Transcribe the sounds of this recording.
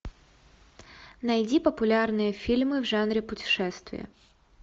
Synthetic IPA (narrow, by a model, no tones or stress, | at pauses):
nɐjdʲipɐpʊlʲarnɨjɐfʲilʲmɪwʐanɾʲipʊtʲi̥ʃɛst̪ʋʲḭɐ̰